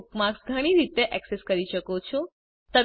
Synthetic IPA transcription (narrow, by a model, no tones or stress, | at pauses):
kmaksɡʱəɽ̃iɾit̪eʔɛkseskəɾiʃəkot͡ʃʰo | t̪ə